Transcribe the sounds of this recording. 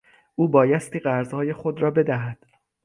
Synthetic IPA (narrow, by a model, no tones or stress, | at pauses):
ʔuːbɒːjæst̪iːɢæɾzhɒːje̞xo̞d̪ɾɒːbe̞d̪æɦæd̪̥